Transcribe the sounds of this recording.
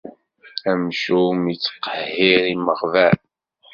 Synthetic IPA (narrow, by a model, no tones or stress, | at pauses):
æmʃumit͡sːqːəhiɾiməχvæɾ